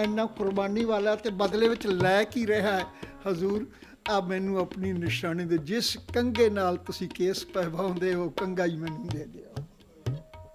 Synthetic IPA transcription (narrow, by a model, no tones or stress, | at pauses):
ɪnːãːkʊɾbaːniːʋaːlaːt̪eːbəd̪leːʋɪt͡ʃlɛːkiːɾəɦaːɛːhəzuːɾ | aːmɛ̃ːnũːapniːnɪʃaːniːd̪eːd͡ʒɪskəŋɡeːnaːlt̪ʊsĩːkeːspɛːbaːõːnd̪eːɦoːkəŋɡaːiːmɛ̃ːnĩːd̪eːd̪eːo